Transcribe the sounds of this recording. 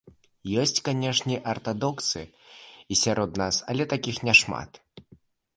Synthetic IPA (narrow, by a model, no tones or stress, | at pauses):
jɔsʲt͡sʲkanʲɛʂnʲiʔɐrt̪ad̪ɔkt̪sɨisʲaɾʔɔt̪nasɐ̰lʲɛt̪akʲixnʲɛʂma̰t̪